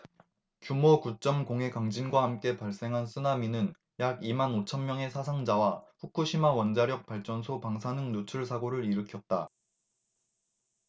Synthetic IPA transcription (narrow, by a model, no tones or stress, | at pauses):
kjumokut͡ɕ͈ʌmkoŋɦe̞kaŋd͡ʑinɡwahamk͈e̞paɭs͈e̞ŋɦansʰɯnaminɯn | jaɡimanot͡ɕʰʌnmjʌŋe̞sʰasʰaŋd͡ʑawaɸuk͈ʰuɕʰimawʌnd͡ʑaɾjʌk̚paɭt͡ɕ͈ʌnsʰopaŋsʰanɯŋnot͡ɕʰuɭsʰaɡoɾɯɾiɾɯkʰjʌt̚t͈a